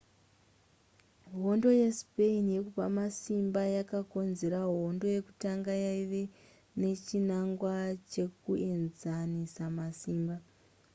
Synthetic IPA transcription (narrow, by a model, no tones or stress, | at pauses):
ɦo̞ndo̞jespe̞inje̞kupamasimbajakako̞nze̞ɾaɦo̞ndo̞je̞kutaŋɡajaiʋe | ne̞t͡ʃinaŋɡwat͡ʃe̞kuʔe̞nzanisamasiːmba